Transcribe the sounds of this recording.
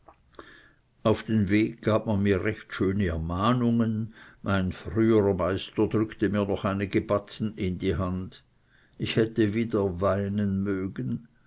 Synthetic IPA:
ʔaʊfd̥eːnveːɡ̚ɡ̥aːp̚manmiːɐʁɛçtʃøːnəɛɐmaːnʊŋənmaɪnfʁyːəʁɐmaɪstɐdʁʏktəmiːɐnɔχaɪnəɡəbat͡sn̩ɪndiːɦand | ʔɪçhɛtəviːdɐvaɪnənmøːɡən̩

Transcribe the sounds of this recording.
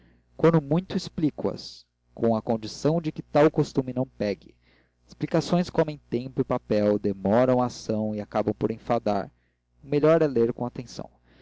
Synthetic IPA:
kwɐ̃nd̪ʊmũj̃t̪ʊisplikwɐ̰s | kõw̃ɐkõd͡ʒisɐ̃w̃d͡ʒɪkɪt̪awkost̪umɪnɐ̃w̃pɛɡɪ | ɪsplikasõj̃skomẽj̃t̪ẽpʊɪpapɛwd̪emɔɾɐ̃w̃asɐ̃w̃ɪakabɐ̃w̃poɾẽfad̪a̰ɾ | ʊmeʎɔɾɛleɾkõat̪ẽsɐ̰̃w̃

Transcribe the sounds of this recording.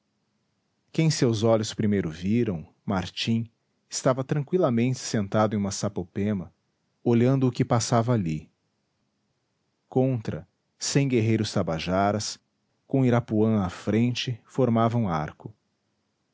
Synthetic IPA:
kẽj̃sewzɔʎʊspɾimejɾʊviɾɐ̃w̃ | maɾt͡ʃĩ | ɪst̪avɐt̪ɾɐ̃kwilɐmẽnt͡ʃɪ̥sẽnt̪ad̪ʊẽj̃ũmɐsapopẽmɐ | oʎɐ̃nd̪ʊːkɪpasavɐːli | kõnt̪ɾɐ̰ | sẽj̃ɡeɦejɾʊst̪abaʒaɾɐs | kõw̃iɾapuɐ̃w̃ɐfɾẽnt͡ʃɪfoɾmavɐũa̰ɾkʊ

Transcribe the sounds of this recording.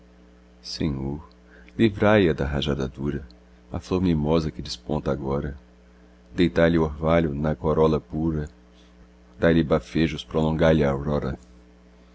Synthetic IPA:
sḛ̃ɲoɾ | livɾajɐd̪ɐɦaʒad̪ad̪uɾɐ | a̰floɾmĩmɔzɐkɪd͡ʒɪspõnt̪ɐaɡɔɾɐ | d̪ejt̪aʎɪoɾvaʎʊnɐkoɾɔlɐpuɾɐ | d̪aʎɪbafeʒʊspɾolõŋɡaʎaawɾɔɾɐ̰

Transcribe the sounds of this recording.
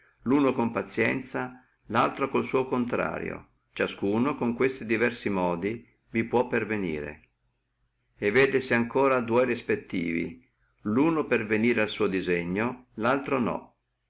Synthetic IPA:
luːnokompat̪sːjɛnt̪sa | lalt̪ɾokolsuːokont̪ɾa̰ːɾjo̰ | t͡ʃaskuːnokoŋkwest̪id̪ivɛrsimɔːd̪i | vipwɔpːervenḭːɾḛ | evːeːd̪esiaŋkoːɾad̪uɔjrispet̪ːḭːvḭ | luːnoperveniːɾealsuːod̪izeɲːolalt̪ɾonɔ̰

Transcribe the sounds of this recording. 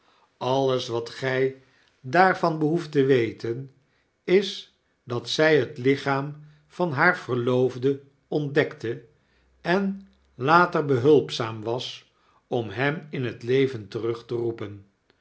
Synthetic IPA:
ɑlˠəsʋɑtχɛj | daːɹvɑnbəɦuftəʋejtən | ɪs | dɑtsɛjɦətlɪχaːm | v̥ɑnɦaːɹv̥ərlowvdə | ɔndɛktə | ɛn | laːtəɹbəɦɵlˠpsaːmʋɑs | ɔmɦɛmɪnɦətlejvəntərɵχtərupən

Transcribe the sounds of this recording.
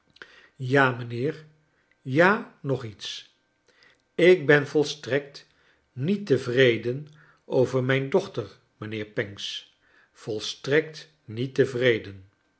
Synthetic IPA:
jaːmənɪːɹ | jaːnɔχits | ɪk̚bɛnvɔlˠstrɛk̚t | nitəvrejdən | ʔowvəɹmɛjndɔχtəɹ | mənɪːɹpɛŋks | fɔlˠstrɛk̚t | nitəvrejdən

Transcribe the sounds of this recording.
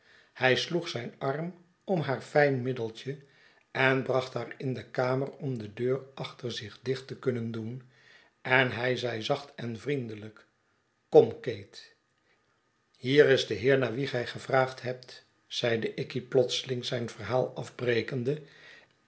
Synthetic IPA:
hɛjsluχsɛjnɑrm | ɔmɦaːɹfɛjnmɪdəlˠt͡ʃə | ɛnbrɑχtɦaːɹɪndəkaːmərɔmdədøːrɑχtəɹzɪχdɪχtəkɵnəndun | ɛnɦɛjzɛjzɑχtɛnvrindələk | kɔmkejt | hiːɾɪzdəɦɪːɹnaːɹʋiχɛjχəvraːχtɦɛp̚t | z̥ɛjdəʔɪkiplɔt̪səlɪŋzɛjnv̥əɹɦaːlˠɑfbrejkəndə

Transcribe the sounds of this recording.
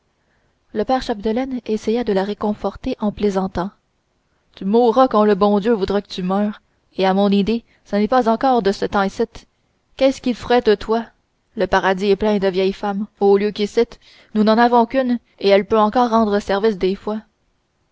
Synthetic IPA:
ləpɛːʁʃab̚d̪əlɛnesɛjad̪əlaʁekɔ̃fɔʁt̪eʔɑ̃plezɑ̃t̪ɑ̃ | t̪ymuʁakɑ̃ləbɔ̃d̪jøvud̪ʁɛkə̥t̪ymœːʁ | eamɔ̃nid̪e | sənɛpazɑ̃kɔːʁd̪əsət̪ɑ̃esɪt̪ | kʲɛskʲilfʁɛd̪ət̪wa | ləpaʁad̪iɛplɛ̃d̪əvjɛjfamoljøkʲilsɪt̪ | nunɑ̃navɔ̃kʲyn | eɛlpøɑ̃kɔːʁːɑ̃d̪ʁəsɛʁvɪs̬d̪eːfwa

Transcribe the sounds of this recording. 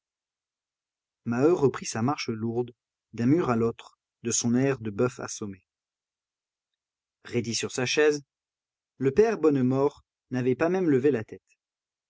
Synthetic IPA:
maøʁəpχisamaʁʃəluʁd̪ | d̪ɛ̃myʁalot̪χ | d̪əsɔ̃nɛʁd̪əbœfa̰sɔme | ʁed̪isyʁsaʃɛz | ləpɛʁbɔnmɔʁ | navɛpamɛmləvelat̪ɛt̪

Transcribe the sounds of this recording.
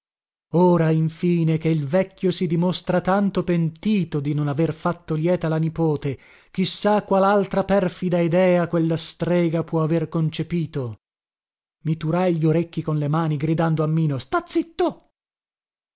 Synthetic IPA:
oːɾaiɱfiːnekeilvɛkːjosid̪imost̪ɾat̪ant̪opent̪iːt̪od̪inonaverfat̪ːoljɛːt̪alanipoːt̪e | k̟isːakwalalt̪ɾapɛrfid̪aid̪ɛːakwelːast̪ɾɛːɡapwɔaverkont͡ʃepiːt̪o | mit̪uɾajʎoɾekːikonlemaːniɡɾid̪and̪oamːiːnost̪at̪sːit̪ːo

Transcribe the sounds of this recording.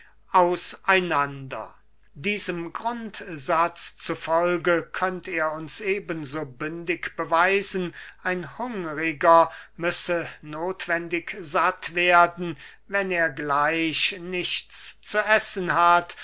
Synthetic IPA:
ʔaʊsʔaɪnandɐ̰ | diːzəmɡʁʊntz̥at͡st͡sufɔlɡəkʰœnteːɐʊnsʔeːbənzoːbʏndɪkb̥əvaɪzn̩ʔaɪnhʊŋʁɪɡɐmʏsənoːtv̥ɛndɪkzatv̥eːɐdn̩ | vɛneːɐɡlaɪɕnɪʃt͡st͡suʔɛsən̩ɦat

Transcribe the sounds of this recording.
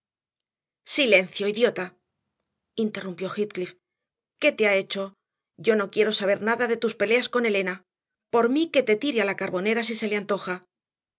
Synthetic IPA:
sile̞n̟θjo̞iðjo̞t̪a | int̪e̞rumpjo̞xit̪̚klif | ke̞t̪e̞ae̞t͡ʃo̞ | ɟ͡ʝo̞no̞kje̞ɾo̞saβ̞e̞ɾnaðaðe̞t̪uspe̞le̞asko̞ne̞le̞na | po̞ɾmike̞t̪e̞t̪iɾealakaɾβo̞ne̞ɾas̬ise̞leant̪o̞xa

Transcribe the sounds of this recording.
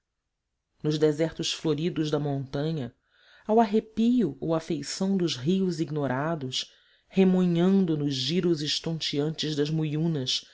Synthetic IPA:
nʊʒd̪ezɛɾt̪ʊsfloɾid̪ʊʒd̪ɐmõnt̪ɐ̃ɲɐ | awaɦepijʊowafejsɐ̃w̃d̪ʊzɦiʊziɡnoɾad̪ʊs | hemõɲɐ̃nd̪ʊnʊʒʒiɾʊzɪʃt̪õnt͡ʃiɐ̃nt͡ʃɪzd̪ɐzmujũnɐs

